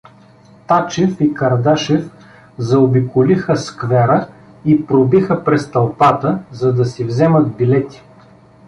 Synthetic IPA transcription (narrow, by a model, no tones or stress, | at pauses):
t̪at͡ʃɛfikɐɾd̪aʃɛf | zɐobikolixəskvɛɾə | ipɾobixəpɾɛst̪ɐlˠpat̪əzɐd̪ɐsivzɛmət̪̚bilɛt̪i̥